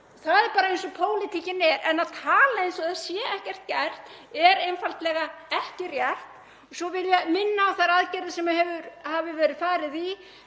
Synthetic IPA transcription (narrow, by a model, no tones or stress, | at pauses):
θaðɛɾpaːɾaejnsɔpʰoːwlɪt̪ʰicɪnɛɾɛnaðt̪ʰaːlaejns̬ɔðasjɛɛhcɛr̥t̪̚cɛr̥t̪ | ɛɾejnfalt̪lɛɣaɛhcɪrjɛr̥t̪ | sɔvɪljɛmɪnːaːwθaɾaðcɛɾðɪsɛmahɛvʏɾhavɪvɛːɾɪðfaːɾɪði